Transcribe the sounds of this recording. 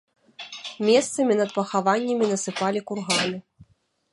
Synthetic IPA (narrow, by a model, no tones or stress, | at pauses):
mʲɛst̪sɐmʲinɐt̪̚pɐxavanʲːɐmʲinɐsɨpalʲikurɣamʲɨ